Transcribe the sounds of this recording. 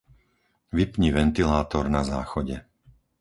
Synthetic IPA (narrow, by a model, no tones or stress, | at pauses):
ʋipɲiʋɛnt̪ilaːt̪ɔɾnazaːxɔɟɛ